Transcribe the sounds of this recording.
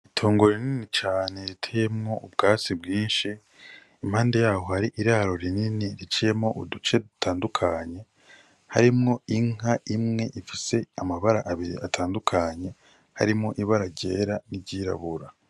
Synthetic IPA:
itʰoːŋɡoɾininit͡ʃaːne̞ɾitʰejemŋo̞ʔubɡaːt͡sibɡiːnʃiː | m̥haːnde̞jaːho̞haɾiʔiɾaɾo̞ɾininiɾit͡ʃije̞mŋo̞ʔṵdut͡ʃe̞du̥tʰaːndukʰaɲe̞ | ha̰ɾimŋo̞iŋaimŋe̞ʔifise̞amaβaɾa̰ʔaβiɾḭatʰaːndukʰaɲe̞ | ha̰ɾimŋo̞ʔiβaɾaɟe̞ːɾanibɟiɾa̰βuɾa

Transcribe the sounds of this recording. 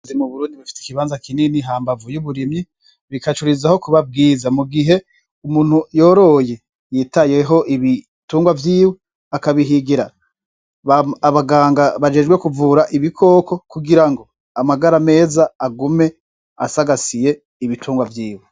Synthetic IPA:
zimuβuɾuːndiβifi̥ti̥kiβaːnzakininiɦaːmbavujuβuɾimɲi | βikat͡ʃuɾizaho̞kuβab̚ɡiːzamuɡiɦe̞ | umuːn̥hujo̞ːɾo̞je̞ | jiːtaje̞ɦo̞ʔiβi | tuːŋɡwavjiːwe | akaβiɦiɡiɾaa | βaaβaɡaːŋɡaβad͡ʒeːd͡ʒɡwekuvuːɾaʔiβikʰo̞ko̞kuɡiɾaŋɡo̞ | amaɡaɾame̞ːzaːɡume̞ | a̰saɡasije̞ | iβitʰuːŋɡwavjiːwe

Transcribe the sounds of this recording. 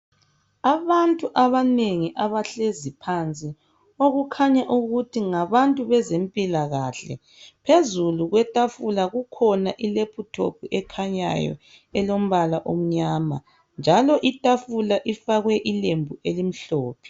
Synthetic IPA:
aβantʼuʔaβaneŋiʔaβaɬezipʰant͡sʼi | oɣukʰaɲaʔuɣutʰiŋaβantʼuβɛzempʼilaɣaːɬɛ̰ | pʰezuluɣwɛtʼafulaɣukʰɔnaʔilepʰutʰo̰pʰuʔɛkʰaɲa̰jɔ̰ | ɛlom̩βalaʔom̩ɲaːma̰ | nd͡ʒʱalɔʔitʼafulaʔifaɣwɛʔilembʱuelim̩ɬoːpʰɛ̥

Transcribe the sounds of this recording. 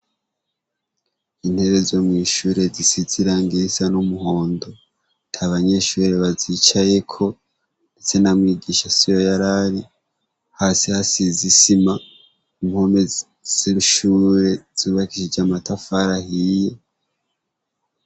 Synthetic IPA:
in̥he̞βe̞zomŋiːʃuːɾe̞zisiziɾaŋɡisanumuho̞ːndo̞ | ntʰaβaɲe̞ʃuːɾe̞βazit͡ʃaje̞kʰo̞ | ndet͡se̞namwiːɡiʃasijo̞jaɾaɾi | haːsihasizisima | imhome | z̥iʃuːɾe̞z̥uːβakiʃid͡ʒamatafaɾahije̞

